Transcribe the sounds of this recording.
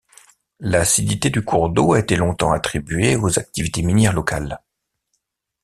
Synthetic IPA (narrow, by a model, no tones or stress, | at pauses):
lasid̪it̪ed̪ykʰuʁd̪oaet̪elɔ̃t̪ɑ̃at̪χibɥeozak̚t̪ivit̪eminjɛʁlɔka̰l